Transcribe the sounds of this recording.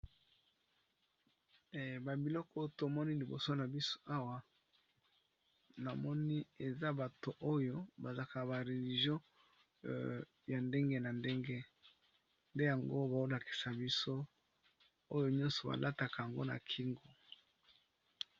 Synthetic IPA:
ba˨bi˨lɔ˦kɔ˦to˨mɔ˦ni˦li˨bo̰˨so˦na˨bi˦so̥˦a˦wa˨ | na˨mɔ˦ni˦e˨za˦ba˨to˨ʔo˦jo˦ba˨za˨ka˨ba˨ʁe˨li˨ʒjɔ̃˦ | ja˨nde˦ŋɡe˦na˨nde˦ŋɡe˦ | nde˦ja˨ŋɡo˦ba˨o˦la˨ki̥˨sa˨bi˦so˦ | o˦jo˦ɲɔ̃˦nsɔ˨ba̰˨lʔa˦ta˨ka˨ja˨ŋɡo˦na̰˨kʰi˦ŋɡo˨

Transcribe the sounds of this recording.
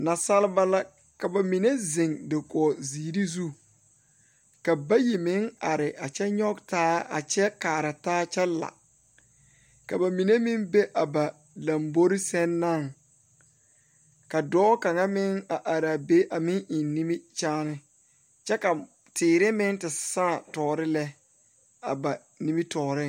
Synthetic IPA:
na˨sa˦lɪ˦ba˦la˦ | ka˨ba˨mi˨ne˦zɪ˨ŋdɪ˨kɔ˨ziː˨ɾi˦zu˦ | ka˨ba˦ji˨mɪ˦ŋa˨ɾɪ˨ʔa˨t͡ʃɛ˦ɲɔ˦ɡtaː˦a̰˨t͡ʃɛ˦kaː˨ɾa˨taː˦t͡ʃɛ˦la̰˨ | ka˨ba˨mi˨ne˦mɪ˦ŋbe˦ʔa˨ba˨ | la˨mbo˦ɾi˦sɛ˦nːa˦˨ŋ | ka˨dɔː˦ka˨ŋa˦mɪ˦ŋa˨ʔa˨ɾa˨be˦ʔa˨mɪ̃˦ŋʔɪ˨nːi˦mi˦t͡ʃaː˦nɪ˦ | t͡ʃɛ˦ka˨ | tɪː˨ɾɪ˦mɪ˦ŋtɪ˨sã˦˨tɔː˨ɾɪ˦lɛ˦ | a̰˨ba˨ | ni˦mi˦tɔː˨ɾɪ˦

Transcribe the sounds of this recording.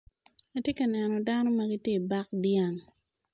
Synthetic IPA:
ɐ˦tje˦kɐ˨nɛ˨nɔ˨da˦no˦mɐ˦ɡi˦tje˦˨ba˦k̚dja˦˨ŋ

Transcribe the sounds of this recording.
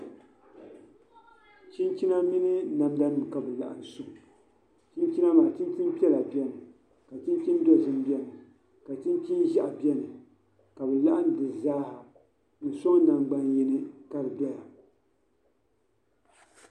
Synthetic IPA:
t͡ʃi˦nt͡ʃi˦na˦mi˦nɨ˦na˨mda˦nɨ˨m˨ka˨bɨ˨la̰˦˨ʔa̰˨n˨sʊ˨h | t͡ʃi˦nt͡ʃi˦na˦maː˨t͡ʃi˦nt͡ʃi˦n˦pi˦ɛ˦la˨bɛ˦nɨ˨ | ka˨t͡ʃi˦nt͡ʃi˦n˦dɛ˦˨zɨ˦m˦bi˦ɛ˦nɨ˨ | ka˨t͡ʃi˦nt͡ʃi˦nʒa˦ʔa˨bi˦ɛ˦nɨ˨ | ka˨bɨ˨la˦ʔa˦n˦dɨ˨zaː˦ha˨ | nɨ˨so˦ŋ˦na˨ŋɡ͡ba˦nji˦nɨ˦ka˦ɾɨ˨bɛ˦la˨

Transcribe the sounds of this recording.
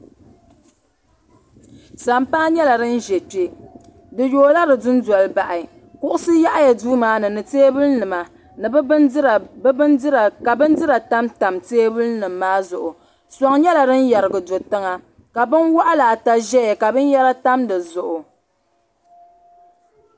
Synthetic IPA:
sa˨mpaː˦ɲɛ˦la˨dɨ˦n̩˦ʒɛ˨te˦ | dɨ˨joː˨la˦dɨ˨dʊ˦n˦dɔ˨lba˨ʔa˨ | kʊ˦ʔʊ˦sɨ˦ja˦ʔa˦ja˨duː˦maː˦nɨ˨nɨ˨teː˦bɨ˦lnɨ˨ma˨ | nɨ˨bɨ˦n˦ɾa˨bbɨ˦ndɨ˦ɾa˨ka˨bɨ˦n˦dɨ˦ɾa˨ta˦mta˨mteː˦bɨ˦lnɨ˨mːaː˦zʊ˨ʔʊ˨ | sa˨ŋɲɛ˦la˨dɨ˦n˦ja˨ɾɨ˨ɡɨ˨do˨tɨ˦ŋa˦ | ka˨bɨ˦nwa˦ʔa˦la˨ta˦ʒɛ˦jɛ˨ka˨bɨ˦n˦jɛ˦ɾa˦ta˦mdɨ˨zʊ˨ʔʊ˨

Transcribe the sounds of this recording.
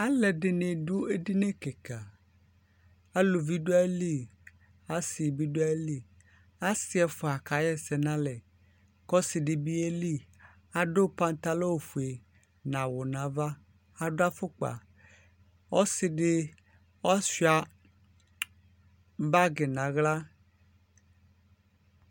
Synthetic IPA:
a˦lɛ˨dɪ˨nẽ˨dʊ˦e˦di˦ne˦kɛ˨ka˨ | a˦lo˨vi˦du˦a˦li˦˨ | a˦sɪ˨bi˦du˦a˦li˦˨ | a˦sɪ˦ɛ˨fʊ˨a˨ka˨˦jɛ˦sɛ˨nã˦lɛ˨ | kɔ˦sɪ˨dɪ˨bi˦e˦li˦˨ | a˦ɖo˦pã˦n˦t̪a˦lo˦wo˨fu˨e˨ | nã˨wʊ˨nã˨va˦ | a˦dʊ˦a˦fʊ˦k͡pa̰˨ | ɔ˦sɪ˨ɖɪ˦ | ɔ˦si˦a˨ | m˦ba˦ɡɪ˨nã˨ɣla˦

